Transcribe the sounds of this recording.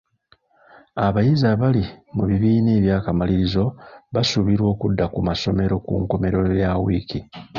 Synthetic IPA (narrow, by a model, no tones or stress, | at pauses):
aβajizaβalimuβiβiːneːβjaːkamaliɾizo̞βasuβiɾwo̞ːkudːakumaso̞me̞ɾo̞kṵŋko̞me̞ɾo̞jawiki